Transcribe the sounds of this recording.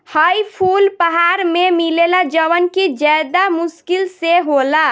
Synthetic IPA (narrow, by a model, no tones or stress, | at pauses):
hajpʰulpəɦaɾmemilelad͡ʒəʋənkid͡ʒad̪amʊskilseɦola